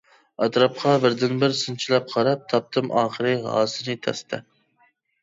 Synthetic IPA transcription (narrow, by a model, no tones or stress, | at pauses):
ɑt̪ɾɑp̚qʰɑbɪɾd̪ɪnbɪɾsɨnt͡ʃʰilɛp̚qʰɑɾɑp̚t̪ʰɑp̚t̪ʰɨmʔɑ̰ːχəɾɨɦɑ̰ːsɨnɨt̪ʰɛ̰st̪ʰɛ̰